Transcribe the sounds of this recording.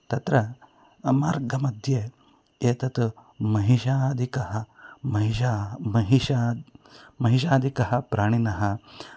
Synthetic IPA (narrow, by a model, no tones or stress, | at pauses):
t̪ɐt̪ɾɐ | maːɾɡɐmɐd̪ʱje | eːt̪ɐt̪mɐɦiʃad̪ʱikɐɦɐmɐɦiʃamɐɦiʃa | mɐɦiʃ̬aːd̪ʱikɐɦɐpɾaːɽ̃inɐɦɐ